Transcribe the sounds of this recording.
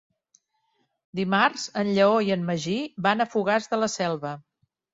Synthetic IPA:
d̪imarzənʎəoiənːəʒibanəfuɣazðələsɛlˠβə

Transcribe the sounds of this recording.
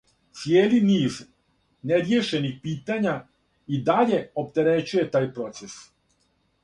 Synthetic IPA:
t̪sjeːliniːz | neɾjeʃe̞nixpiːt̪aɲa | id̪aʎe̞opt̪e̞ɾet͡ɕuje̞t̪aːjpɾo̞t̪ses

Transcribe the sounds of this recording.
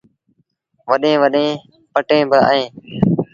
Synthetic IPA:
ʋəɗẽːʋəɗẽː | pəʈẽːbɪa̰ːẽː

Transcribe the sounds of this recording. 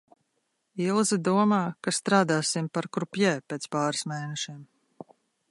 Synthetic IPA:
ilˠzid̪uɔmaːkast̪ɾaːd̪aːsimpaɾkɾupjɛːpeːt̪spaːɾasmeːnɛʃiɛm

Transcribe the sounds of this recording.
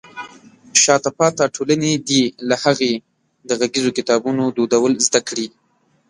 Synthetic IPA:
ʃɑt̪apɑt̪aʈʰolaned̪ilahaɣe | d̪əɣaɡizokɪt̪ɑbunod̪od̪awəlzd̪akɽi

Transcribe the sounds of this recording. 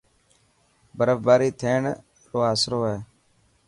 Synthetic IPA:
bəɾəfbaːɾiːt̪ʰeːɳ | loːɦaːsɾoːeː

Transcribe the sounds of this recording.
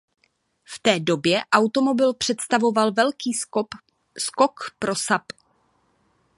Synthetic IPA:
ft̪ɛːdo̞bjɛʔawt̪o̞mo̞bɪlpr̥ɛt̪st̪avo̞valvɛlkiː | skokpɾosap

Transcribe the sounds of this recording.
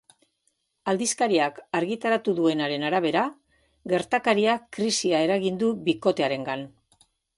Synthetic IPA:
ald̪iskaɾiakaɾɣit̪aɾat̪uðue̞naɾe̞naɾaβ̞e̞ɾa | ɡe̞ɾt̪akaɾiakːɾisiae̞ɾaɣind̪uβiko̞t̪e̞aɾe̞ŋɡan

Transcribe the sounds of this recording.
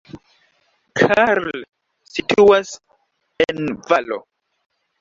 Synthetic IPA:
kʰaɾl | situas | envalo̰

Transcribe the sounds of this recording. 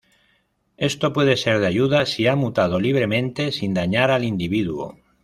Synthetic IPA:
e̞st̪opwe̞ð̞ese̞ɾð̞aʝuðasiamut̪að̞oliβ̞ɾemẽnt̪e̞sind̪aɲaɾalind̪iβ̞iðuo̰

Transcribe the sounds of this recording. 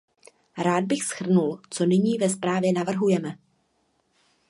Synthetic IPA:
ɾaːd̪̚bɪxsxr̩nult͡so̞nɪɲiːvɛspɾaːvjɛnavr̩ɦujɛmɛ

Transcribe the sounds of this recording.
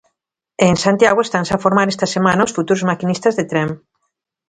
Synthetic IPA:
eŋsant̪jaɣ̞oest̪ansafoɾmaɾest̪ɐsemãnaosfut̪uɾzmakinist̪ɐzðet̪ɾem

